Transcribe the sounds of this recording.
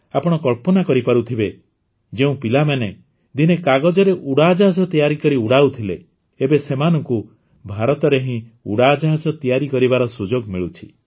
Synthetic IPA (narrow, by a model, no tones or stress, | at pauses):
apɔɽ̃ɔkɔɭpɔnakɔɾipaɾut̪ʰibe | d͡ʒeũpilamane | d̪inekaɡɔd͡ʒɔɾeʔuɽad͡ʒaɦad͡ʒɔt̪ijaɾikɔɾiuɽaut̪ʰilḛ | ebesemanɔŋku | bʱaɾɔt̪ɔɾeɦĩṵɽad͡ʒɔɦad͡ʒɔt̪ijaɾikɔɾibaɾɔsud͡ʒoɡmiɭut͡ʃʰi̥